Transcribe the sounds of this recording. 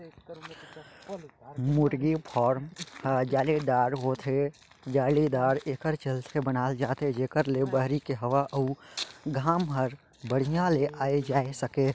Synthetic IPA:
mʊʈɡipʰɔːɾmhd͡ʒaːlid̪aːɾʋot̪ʰe | d͡ʒaːlid̪aːɾeːkəɾt͡ʃəlt̪ʰebənaːld͡ʒaːt̪ed͡ʒeːkəɾlebəɦɾikeɦəʋaʔəuɡʱaːmɦəɾ | bəɽ̤ijãleʔaːed͡ʒaːesəke

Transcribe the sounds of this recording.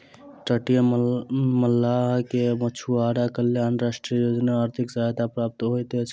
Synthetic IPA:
ʈəʈijə | məlːakemət͡ʃʰuaɽakəljanɾaʃʈɾijjod͡ʒnaːɾt̪ʰiksajt̪apɾap̚t̪ɦojt̪e

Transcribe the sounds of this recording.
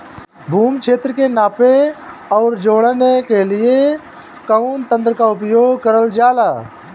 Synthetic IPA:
bʱuːmkʰeːt̪ɾəkenaːpeɔːɾd͡ʒoːɽənekelɪe | kəunt̪ə̃nd̪ɾkaʊpjoːɡkəɾəld͡ʒaːlaː

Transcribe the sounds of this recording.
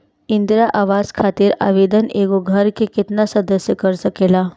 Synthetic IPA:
ind̪ɾaʔaʋaskʰat̪iːɾa̰ʋed̪əneɡoɡʱəɾkekit̪nasəd̪əsjəkəɾsəkela

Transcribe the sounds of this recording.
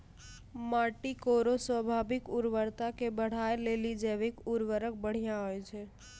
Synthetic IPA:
maʈikoɾoswəbʱaːbɪkuɾʋəɾt̪akebəɽ̤ajlelid͡ʒeʋekuɾʋəɾək̚bəɽ̤ijãɦojt͡ʃʰɛ

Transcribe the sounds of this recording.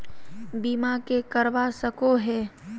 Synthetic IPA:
biːmakekəɾʋasəkoɦɛː

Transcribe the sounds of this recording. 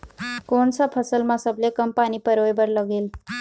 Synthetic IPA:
kont͡sʰʌpʰʌsʌlmasʌblekʌmpanipʌɾoebʌɾlʌɡel

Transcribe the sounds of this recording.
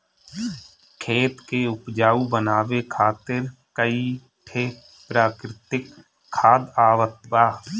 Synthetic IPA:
kʰeːt̪keʊpd͡ʒaːubənaːʋekʰaːt̪ɪɾkəi | ʈʰeː | pɾaːkɾɪt̪ɪkʰː | aːd̪aːʋət̪ʋaː

